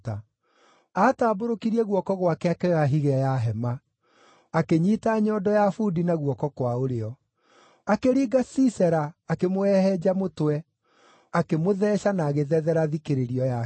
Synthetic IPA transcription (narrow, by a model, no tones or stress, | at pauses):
ta | ataːboɾokiɾiɛɣwɔkɔɣwakɛakɛɣaɦiɣɛɔjaɦɛma | akeɲitaɲɔːdɔjafudinaɣwɔkɔkwaoɾeɔ | akeɾiːɡasisɛɾaːkemoɛhɛd͡ʑamotwɛ | akemoðɛːɕanaːɣeðɛðɛɾaðikeɾeɾiɔja